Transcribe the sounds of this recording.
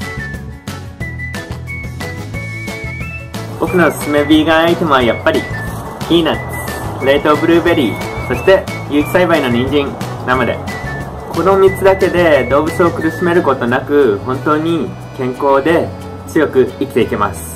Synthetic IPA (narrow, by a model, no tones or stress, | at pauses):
bo̞kɯ̟no̞sɨ̥sɨme̞bʲiːɡaːit̪e̞mo̞βajapːaɾʲi | kʲiːna | ɯɾeit̪o̞bɯ̟ɾɯ̟ːbe̞ɾʲiːso̞ɕi̥t̪e̞ | jɯ̟ːti̥saibaino̞ɲ̟ĩɲ̟d͡ʑĩŋ | namad̪e̞̰ | kʰo̞no̞mʲit͡sɨd̪ake̞d̪e̞d̪o̞ːbɯ̟t͡sɨo̞kɯ̟ɾɯ̟ɕime̞ɾɯ̟ko̞t̪o̞nakɯ̟hõ̞nt̪o̞ːɲ̟i | kẽ̞ŋko̞ːd̪e̞ | t͡sɨjo̞kɯ̟ikʲi̥t̪e̞ike̞ma̰sɨ̥